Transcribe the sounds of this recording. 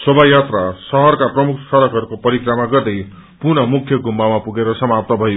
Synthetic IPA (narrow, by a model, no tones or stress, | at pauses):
sobʱajat̪rasʌɦʌrkaprʌmukʰsʌɾʌkɦʌɾukopʌɾikramaɡʌrd̪ʌj | purnʌmukʰjʌɡʱumːamapuɡeɾʌsʌmap̚t̪ʌbʱʌjo